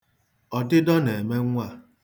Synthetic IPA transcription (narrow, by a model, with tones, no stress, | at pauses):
ɔ˨dɪ˦dɔ˦ne˨me˦ŋʷa˦˨